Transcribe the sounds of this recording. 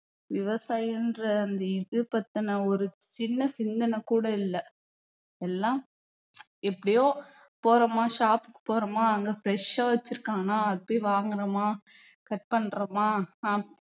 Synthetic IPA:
ʋɪʋɐsaːjɪndɾɐːnd̪ɐɪðɯpɐt̪ːɐnɐɔɾɯt͡ʃɪnːɐsɪnd̪ɐnɐkuːɽɐɪlːɐ | ɛlːãː | ɛpːɐɽɪjoː | poːɾɐmaːʃaːpɯ̥kːɯ̥poːɾɐmaːɐŋɡeːfɾɛʂaːʋɐt͡ʃːɪɾɯkːaːŋɐnaːɐðɐpːoʋaːŋɡɐɾɐmaː | kɐʈ̚pɐɳːɾɐmaː

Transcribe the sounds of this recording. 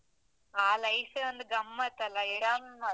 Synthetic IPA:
aːlɐjsɐnd̪ɡɐmːɐt̪ɐlɐiɽɐmːɐ

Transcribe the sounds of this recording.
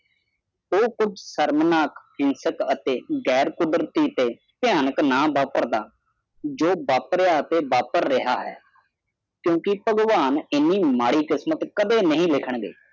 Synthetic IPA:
oːkʊd͡ʒsəɾmnaːkhɪnsəkət̪eːɡɛːɾkʊd̪əɾt̪iːt̪eː | pɪjaːnəknaːbaːpəɾd̪aː | d͡ʒoːbaːpɾɪaːət̪eːbaːpəɾːɪɦaːɦɛ̰ː | kjõːkɪpəɡʋaːnɪnːiːmaːɽiːkɪsmət̪kəd̪eːnəɦĩːlɪkʰəɳɡḛː

